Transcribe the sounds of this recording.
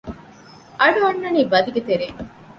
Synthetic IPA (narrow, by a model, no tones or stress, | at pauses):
ʔɐɖuɐnːɐniːbɐd̪iɡet̪eɾeŋ